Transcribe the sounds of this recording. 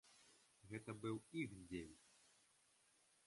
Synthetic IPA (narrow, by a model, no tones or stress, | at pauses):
ɣɛt̪ɐbɨwixd͡zʲelʲt͡sʲ